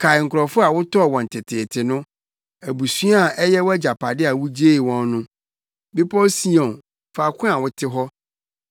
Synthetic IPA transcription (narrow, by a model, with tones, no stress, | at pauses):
kʰa˨ɪ˨ŋ̩˨kʰʊ˨ɾɔ˨fʊ˦a˨wʊ˦tʰɔ˦˨wɔ̃˨n̩˨tʰɪ˨tʰɪ˨tʰɪ˨nʊ̃˦ | æ˨bu˨su˦a˨ɛ˦jɛ˦wʊ˦æ˦d͡ʑa˨pʰa˨dɪ˦a˨wu˦d͡ʑe˦i˨wɔ̃˦n˦nʊ̃˦ | bɪ˦pʰɔ˦si˦ɔ̃˨n | fa˨kʰʊ̃˦a˨wʊ˦tʰɪ˦ɦɔ˦